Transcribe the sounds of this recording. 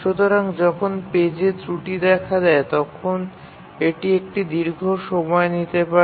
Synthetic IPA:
ʃut̪oɾaŋd͡ʑɔkʰonped͡ʑet̪ɾuʈid̪ɛkʰad̪ɛet̪ɔkʰon | eʈiek̚ʈid̪iɾɡʱoʃɔmɔenit̪epa

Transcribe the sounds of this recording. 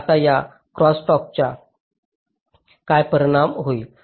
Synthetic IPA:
t̪aja | kɾɔsʈɔk̚t͡ɕa | kajpəɾəɽ̃amɦoi

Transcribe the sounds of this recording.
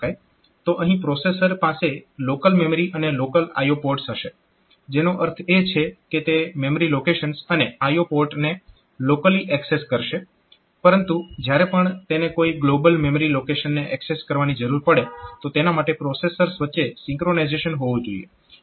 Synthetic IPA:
aj | t̪oʔəɦĩpɾosesəɾpaselokəlmeməɾiʔənelokəla̰jopoɾʈsɦəʃe | d͡ʒenoʔəɾt̪ʰet͡ʃʰeket̪ememəɾilokeʃənsəneajopoɾʈne | lokəliʔɛkseskəɾʃe | pəɾənt̪ud͡ʒjaɾepəɳt̪enekoiɡlobəlmeməɾilokeʃənːeʔɛkseskəɾʋanid͡ʒəɾuɾpəɽet̪ot̪enamaʈepɾosesəɾsʋətːʃesɪ̃ŋkɾonajzeʃənɦoʋũd͡ʒoḭjḛ

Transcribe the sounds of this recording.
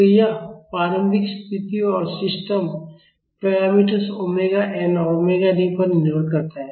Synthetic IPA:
əjapaːɾə̃mbʱɪkst̪ʰɪt̪iõɔːɾsɪsʈəm | pɾajaːmiʈəɾsomeɡaʔɛ̃ːnɔːɾomeɡaɖĩpɐɾnnɪɾoɽkɐɾt̪aɦɛ̃

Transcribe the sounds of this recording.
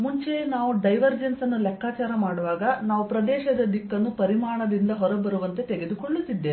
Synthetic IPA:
muɲt͡ʃenaːʋuɖɐjʋɐɾd͡ʒensɐnːulɛkʰːaːt͡ʃaːɾɐmaːɽuʋaːɡɐnaːʋupɾɐd̪ɛːʃɐd̪ɐd̪ikːɐnːupɐɾimaːɳɐd̪ind̪ɐɦɔɾɐbɐɾuʋɐnt̪e̞t̪eɡe̞d̪ukoɭːut̪ːid̪ːe

